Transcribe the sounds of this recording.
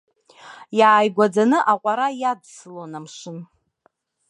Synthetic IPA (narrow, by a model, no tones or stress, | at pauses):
jaːjɡʷad͡zanɨʔaqʷʼaɾajadsɨlonamʂɨn